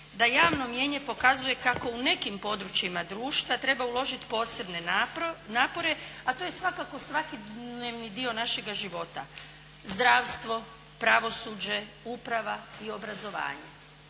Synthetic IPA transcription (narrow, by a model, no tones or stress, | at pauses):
d̪ajaːʋno̞mje̞ːɲe̞po̞kazuje̞kako̞une̞kimpo̞d̪ɾut͡ʃimad̪ɾuːʃt̪ʋat̪ɾe̞baulˠo̞ʒit̪po̞ːse̞bne̞naːpo̞ɾe̞at̪oje̞sʋakako̞sʋakid̪neʋnid̪io̞naʃe̞ɡaʒiʋo̞t̪a̰ | zd̪ɾaːʋst̪ʋo̞ | pɾaʋo̞suːd͡ʑe̞ | upɾaʋaio̞bɾazo̞ʋa̰ːɲe